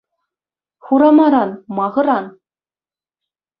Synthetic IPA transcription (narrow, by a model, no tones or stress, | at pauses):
χuɾɑmɑɾɑnmɑʁɤ̆ɾɑn